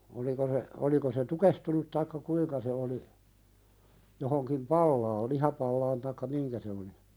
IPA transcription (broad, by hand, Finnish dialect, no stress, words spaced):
oliko se oliko se tukehtunut tɑikːɑ kuiŋkɑ se oli johoŋkim pɑlːɑːl lihɑpɑlːɑːn tɑikːɑ miŋkæ se oli